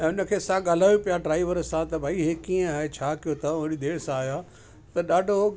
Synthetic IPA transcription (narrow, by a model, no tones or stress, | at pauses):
ɛ̃ʊnə̆kʰeːsãɠaːl̤aːjopijaɖɾaːiʋəɾsãt̪ɐbʱaːiɦekiːə̃aːɦet͡ɕʰaːkijot̪ʰɐʊɾid̪eːɽ̤sãaːɦjaː | t̪ɐɗaːɖʱo